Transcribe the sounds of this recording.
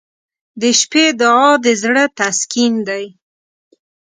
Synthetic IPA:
d̪əʃped̪ʊɑd̪əzɽət̪askind̪aj

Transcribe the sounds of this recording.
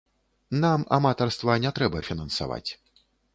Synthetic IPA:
nama̰mat̪arst̪vanʲɛt̪ɾɛbɐfʲinɐnsa̰va̰t͡sʲ

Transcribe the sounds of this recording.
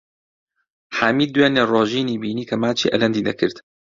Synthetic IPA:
ħaːmiːd̪d̪ːuweːnerˤoːʒiːniːbiːniːkʰɐmaːt͡ʃʰḭːʔɐlɐnd̪iːd̪ɐkʰɨɾt̪

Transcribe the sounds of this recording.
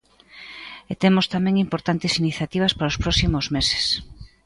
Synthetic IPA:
et̪emʊst̪amẽŋimpoɾt̪ant̪ɪsiniθjat̪iβ̞ɐspaɾaoʊspɾɔsimozmese̥s

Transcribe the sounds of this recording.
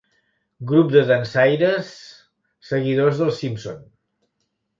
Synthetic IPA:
ɡɾup̚d̪əðənsajɾəsː | əɣiðozðəlˠsimpson

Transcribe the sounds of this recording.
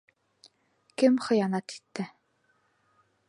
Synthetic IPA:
kɘmχɤ̆janat̪i̥t̪ːɘ

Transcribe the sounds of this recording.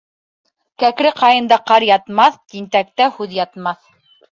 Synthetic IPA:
kækɾɘqɑjɤ̆nd̪ɑqɑɾjɑt̪mɑθk̪int̪æk̚t̪æhʉðjɑt̪mɑθ

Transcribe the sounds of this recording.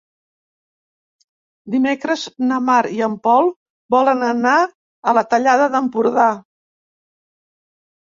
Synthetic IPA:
d̪imekɾəznəmaɾiəmpɔlˠ | bɔlənəna | ələt̪əʎaðəðəmpuɾða

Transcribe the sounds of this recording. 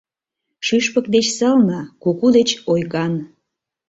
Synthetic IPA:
ʃyʃpək̚d̪et͡ɕsɑlnɑkukud̪et͡ɕojɣɑn

